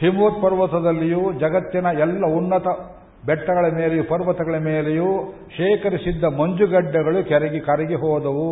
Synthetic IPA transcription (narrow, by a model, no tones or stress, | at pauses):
himoːt̪̚pɐɾʋɐt̪ɐd̪ɐlːijud͡ʒɐɡɐt̪ːinɐɛlːɐunːɐt̪ɐ | bɛʈːɐɡɐɭɐmeːlejupɐɾʋɐt̪ɐɡɐɭɐmeːleju | ʃeːkɐɾisid̪ːɐmɐɲd͡ʒuɡɐɖːɐɡɐɭukɛɾɐɡikɐɾɐɡiɦɔːd̪ɐʋu